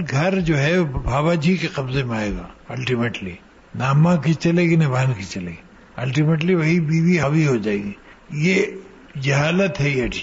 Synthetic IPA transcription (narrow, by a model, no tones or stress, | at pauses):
ɡʱɐɾd͡ʒoːɦɛbʱaːbad͡ʒʱikeqɐbzemẽaːeːɡa̰ːɐlʈimeːʈli | naːmãkit͡ʃɐleɡinebʱankit͡ʃɐlḛɡi | ɐlʈimeːʈ̬liʋɐɦibiːʋiɦabʱiɦod͡ʒaːeːɡiː | je | d͡ʒɐɦaːlət̪ɦɛjeɐʈ